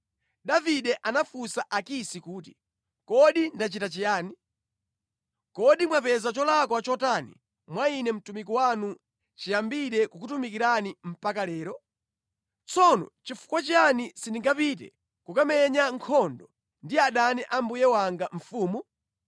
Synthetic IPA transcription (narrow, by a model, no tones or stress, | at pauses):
ɗaviɗɛʔanafusaʔakisikuːt̬ḭ | kɔɗindat͡ʃitat͡ʃijaːni | kɔɗimwapɛzat͡ʃɔlakwat͡ʃɔtanḭ | mwainɛm̩tumik̬iwanu | t͡ʃijambiɾɛkukutumikiɾanim̩pakalɛːɾɔ | t͡sɔnɔ̰t͡ʃifu̥kwat͡ʃianisindiŋɡapit̬ɛ̰ | kukamɛɲaŋkʰɔndɔ | ndiaɗaniʔambujɛwaŋɡaɱ̩fuːmu